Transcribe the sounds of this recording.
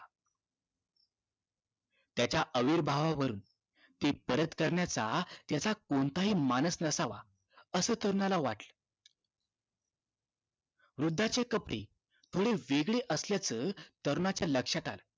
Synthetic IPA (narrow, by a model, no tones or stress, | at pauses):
t̪jat͡ɕjaʔəʋiːɾbʱaʋaʋəɾuːn | t̪epəɾət̪kəɾɳjat͡sat̪jat͡sakont̪aɦiːmanəsnəsaʋa̰ | əsəːt̪əɾunalaʋaʈlə | ʋɾud̪ʱːat͡ɕekəpɽḛ | t̪ʰoɽeʋeɡɭeʔəsljat͡səːt̪əɾunat͡ɕjaləkʂat̪a̰l